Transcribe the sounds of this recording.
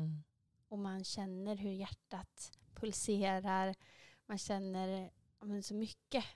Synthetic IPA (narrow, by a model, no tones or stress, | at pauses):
ɔmanɕɛnːəɾɦɵɾjæʈːat̪pʰɵlseːɾaɾmanɕɛnːəɾ | aːmɛnsɔmʏkːə